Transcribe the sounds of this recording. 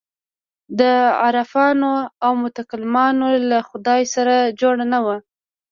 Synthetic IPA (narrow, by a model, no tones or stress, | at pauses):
d̪əaɾafɑnoawmʊt̪akalɪmɑnolaxʊd̪ɑjsaɾad͡ʒoɽanawa